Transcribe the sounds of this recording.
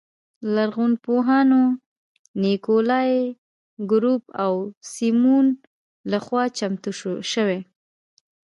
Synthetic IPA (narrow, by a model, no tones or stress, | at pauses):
laɾɣunpoɦɑno | nikolɑj | ɡɾupawsimun | laxwɑt͡ʃamt̪uʃəwe